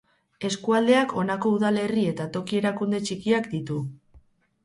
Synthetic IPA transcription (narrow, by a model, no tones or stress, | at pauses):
e̞skuald̪e̞ako̞nako̞uðale̞rie̞t̪at̪o̞kie̞ɾakund̪e̞t͡ʃikiakd̪it̪u